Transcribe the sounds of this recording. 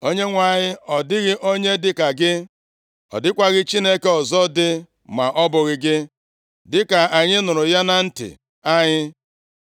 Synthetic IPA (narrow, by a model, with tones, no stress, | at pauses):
o˦ɲe˦ŋʷa˨ɲɪ˦ɔ˨dɪ˦ɣɪ˦ʔo˦ɲe˦dɪ˦ka˨ɡɪ˦ | ɔ̰˨dɪ˦kʷa˦ɣɪ˦t͡ʃi˦ne˦ke˦ɔ˨zɔ˦dɪ˦ | ma˨ʔɔ˦bʊ˨ɣɪ˨ɡɪ˦ | dɪ˦ka˨a˨ɲɪ˦nʊ˨ɾʊ˨ja˦na˨n̩˦tɪ̰˨ | a˦ɲɪ˦